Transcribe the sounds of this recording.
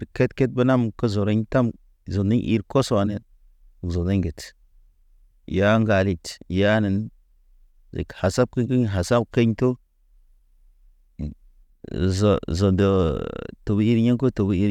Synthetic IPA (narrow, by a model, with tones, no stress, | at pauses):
ɾke˦tke˦t̚bə˦na˦mkə˦zo˨ɾe˦ɲta˦m | zo˨ndi˦ɲʔḭ˨ɾko˦swa˨ne˨n˨ | zo˨de˦ɲɡe˨t | ja˦ŋɡa˨li˨tja˦ni˨n | zḛ˨kha˨sa˦b̚kə˦ɲkə˦ɲɦa˨sa˦b̚ke˦ɲto˦ | zo˨zo˨ndo˨to˨bi˦ɾɲe˦ŋko˦to˨bi˦ɾ